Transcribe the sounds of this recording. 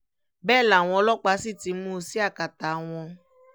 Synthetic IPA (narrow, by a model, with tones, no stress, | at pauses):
bɛː˦˨la˨w̃ɔ̃˧˦lɔ˦k͡pa˧˦si˦˨ti˨˧˦mũ˦si˦a˦˨ka˨ta˨˦w̃ɔ̃˧